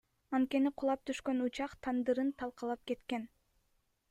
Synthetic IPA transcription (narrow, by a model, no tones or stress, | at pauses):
ɑnt̪̚ke̞niqʰulˠɑp̚t̪ʰyʃkø̞nut͡ʃɑqt̪ʰɑnd̪ɯɾɯnt̪ʰɑlˠqɑlˠɑp̚ke̞t̪ke̞n